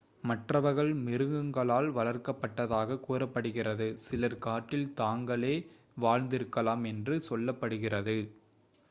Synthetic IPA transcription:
mɐʈrɐʋɐɾɣɐɭmɪɾɯɣɯŋɡɐɭaːlʋɐlɐrkɐpːɐʈːɐðaːɣɐkuːrɐpːɐɽɯɣɪrɐðɯsɪlɐɾkaːʈːɪlt̪aːŋɡɐɭeː | ʋaːɻnd̪ɪɾɯkːɐlaːmɛndrɯsɔlːɐpːɐɽɯɣɪrɐðɯ

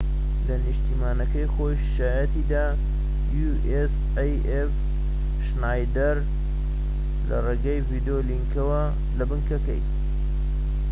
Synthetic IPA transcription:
lɐnɨʃt̪iːmaːnɐkɐjxojʃaːjɐt̪id̪aː | ju | ʔes | ej | ef | ʃnajd̪ɐɾ | lɐ̰reːɡajvid̪oliŋkɐwɐ | lɐbɨŋkɐkɐ̰j

